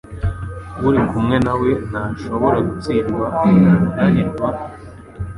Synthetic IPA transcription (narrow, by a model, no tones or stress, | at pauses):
βuɾikumŋe̞nawe̞n̥haʃo̞βoɾaɡut͡siːɾɡwadaniɾɡwa